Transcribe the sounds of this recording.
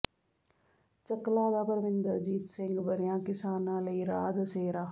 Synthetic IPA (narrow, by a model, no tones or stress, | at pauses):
t͡ʃɐklaːd̪aːpəɾʋɪnd̪əɾd͡ʒiːt̪sɪ̃ŋɡbɐɾjãːkɪsaːnãːlɐiɾaːd̪seːɾaː